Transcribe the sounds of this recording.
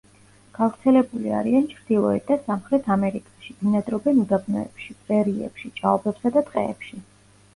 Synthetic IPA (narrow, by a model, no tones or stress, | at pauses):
ɡ̥avɾt̪sʰɛlɛbulia̰ɾiant͡ʃʰɾd̪̥ilˠɔɛt̪̚d̪asamχɾɛt̪ʰamɛɾikʼaʃid̪inad̪ɾɔbɛnud̪abnɔ̰ɛpʃip̪ʼɾɛɾiɛ̰pʃit͡ʃʼaɔbɛpsad̪at̪ʼqʼɛ̰ːpʃi